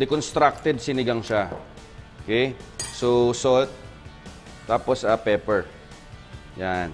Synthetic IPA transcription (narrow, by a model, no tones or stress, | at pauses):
d̪ɛkonst̪ɾak̚t̪ɛd̪̚sɪnɪɡaŋʃa | ʔokɛjsosolt̪̚ː | aːposɐpɛːpɛɹ | jan